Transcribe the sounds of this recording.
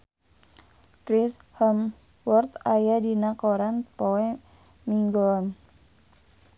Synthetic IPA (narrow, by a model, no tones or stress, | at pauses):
kɾisham | wɔrt̪ajadinakoɾanpoɛ | miŋɡɔn